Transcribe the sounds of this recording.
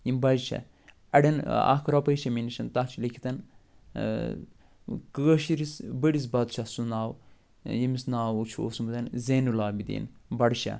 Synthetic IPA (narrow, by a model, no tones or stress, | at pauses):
jimbɐd͡ʒʃɐ̰ | ɐɖɐna̰kʰɾɐpɐjʃɐminiʃɐnt̪at͡ʃʰilikʰi̥t̪ɐn | kəɐʃiɾisbəɽis̬bɐd̪t͡ʃʰɐsunaːw | jimisnaːwut͡ʃʰo̰ːsumɨd̪ɐnzenulaːbid̪ḭːnbɐɽʃa̰